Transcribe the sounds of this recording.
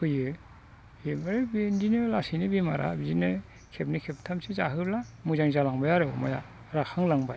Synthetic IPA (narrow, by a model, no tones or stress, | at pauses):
kʰɯjɯ | emaɾebindinɯlasinɯbimaɾʔa̰bizinɯ | kʰep̚nikʰep̚tʰamsizaɦɯblamuzaŋzalaŋbajaɾɯmaja̰ | ɾaxʰaŋlaŋbaj